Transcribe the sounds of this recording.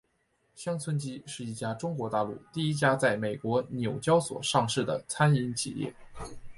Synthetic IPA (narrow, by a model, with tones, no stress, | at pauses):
ɕjɑ˥ŋt͡sʰwə˥nt͡ɕi˥ʂɻ̩˥˧i˥˩t͡ɕja˥ʈ͡ʂʊ˥ŋkwɔ˧˥t̪a˥˧lṵ˥˩t̪i˥˩i˥t͡ɕja˥t͡sa˥˩ɪme˨˩ɪkwɔ˧˥njo˨˩ʊt͡ɕjɑ˥ʊswɔ̰˨˩ʂɑ˥˧ŋʂɻ̩˥˩d̪ə̰˩t͡sʰa˥ni˧˥nt͡ɕʰḭ˨˩jɛ̰˥˩